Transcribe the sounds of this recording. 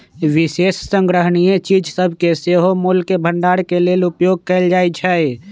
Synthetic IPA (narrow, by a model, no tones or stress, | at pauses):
ʋisessəŋɡɾəɦnijet͡ʃid͡ʒʱsəbʱkeseɦomulkebʱəɳɖaɽkelelupjoɡ̚kɛɪld͡ʒajt͡ʃʰɛ